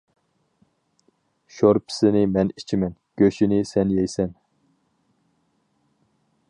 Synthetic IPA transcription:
ʃoɾpʰɪ̥sɪnɪmɛnit͡ʃʰimɛnɡ̥ʲøʃinɪsɛnjɛjsɛn

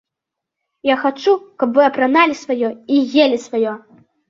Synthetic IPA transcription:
jaxat͡ʂukɐbvɨɐpɾanalʲisvajɔiɣʲelʲisvajɔ

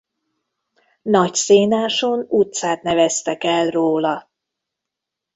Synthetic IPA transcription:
nɒcseːnaːʃonut̪saːt̪nɛvɛst̪ɛkɛlroːlɒ

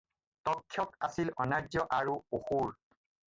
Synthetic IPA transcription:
tɔkʰːjɔkasilɔnaɹzɔʔaɹuoxuɹ

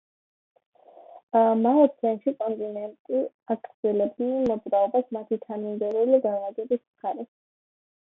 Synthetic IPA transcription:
amaɔɾsʰɛnʃikʼɔnt̪ʼinɛnt̪ʼi | aɡʰʼɾd̪z̥ɛlɛbd̪nɛmɔd̪zɾaɔbasmat̪ʰit̪ʰamind̪ɛɾuliɡavaɡ̪ɛbismχaɾɛ

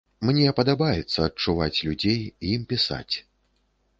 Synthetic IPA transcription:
mnʲɛpɐd̪abajɛt̪sːɐːt̚t͡ʂuvat͡sʲlʲud͡zʲejimpʲisa̰t͡sʲ

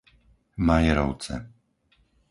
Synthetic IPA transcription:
majɛɾɔʊt͡sɛ̰

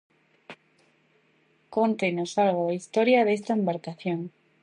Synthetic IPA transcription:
kont̪enosalɣ̞oaist̪oɾjaðest̪aembaɾkaθjoŋ

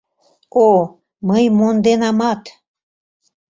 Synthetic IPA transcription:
o | məjmond̪enɑmɑt̪

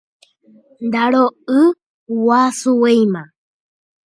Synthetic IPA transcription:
nd̪aɾoɨ | wasuwejmã

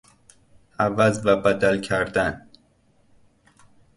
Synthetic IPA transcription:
ʔævæzvæbæd̪ælcʰæɾd̪æn

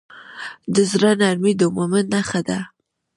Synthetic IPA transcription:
d̪əzɾanaɾmid̪omomənaxad̪a

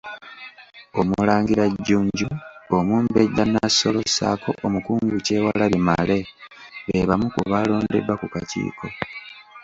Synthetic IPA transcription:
o̞mulaːŋɡiɾaɟːuːɲɟuomuːmbeɟːanːasːo̞lo̞sa̰ːkʰo̞ʔomukuːŋɡuce̞ːwalalimale̞βeβamukuβaːlo̞ːnde̞̰dwakukacḭːkʰo̞

